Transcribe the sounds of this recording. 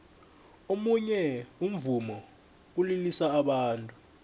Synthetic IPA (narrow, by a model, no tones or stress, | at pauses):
omuɲɛum̩vumɔ | k̬ulilisaːɓaːntʼu